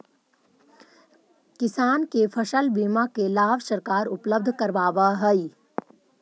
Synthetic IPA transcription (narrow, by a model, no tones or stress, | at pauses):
kɪsaːnkepʰɐʃəlbiːmakelaːʋsəɾkaːɾʊpləb̚d̪ʱkɐɾʋaːʋaɦəi